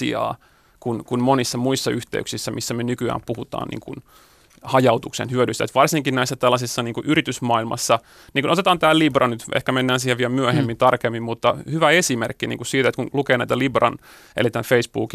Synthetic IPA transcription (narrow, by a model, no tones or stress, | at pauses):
ḭɑ̰ː | kunkunmonisːɑmuisːɑyht̪ḛy̰ksisːæmisːæmynykyæ̰ːmpuhut̪ɑ̰ːnḭːŋkṵn | hɑjɑut̪uksḛnhyøɾyst̪æet̪ʋɑrsiŋkinnæisːæt̪ælːɑsisːɑniːŋkuʔyɾit̪ysmɑːilmɑ̰sːɑ | niːŋkunot̪et̪ɑːnt̪æːlibrɑnyt̪ʔḛhkæmenːæːnsiːheʋʋiælmyøhemːint̪ɑrkemːimmut̪ːɑhyʋæesimerkːinḭŋkussiːt̪æet̪kunlukeːnæit̪ælibrɑ̰n | ḛlit̪ænfeisbuːki